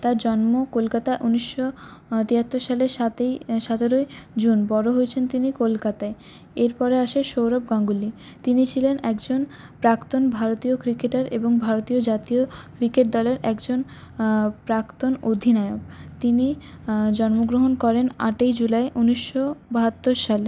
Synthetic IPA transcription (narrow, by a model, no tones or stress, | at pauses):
t̪aɾd͡ʑɔnmokolkat̪aeʔuniʃːot̪iɦat̪ːoɾʃaleɾʃat̪eʃat̪eɾoed͡ʑunbɔɾoɦojet͡ɕʰent̪inikolkat̪ae | eɾpɔɾeaʃeʃowɾob̚ɡaŋɡuli | t̪init͡ɕʰilenɛkd͡ʑon | pɾakt̪onbʱaɾot̪iokɾikeʈaɾḛboŋbʱaɾot̪iod͡ʑat̪iokɾikeʈ̚d̪ɔleɾʔɛkd͡ʑon | pɾakt̪onod̪ʱinaokt̪ini | d͡ʑɔnmoɡɾoɦonkɔɾena̰ʈejd͡ʑulaeʔuniʃːobaɦat̪ːoɾʃale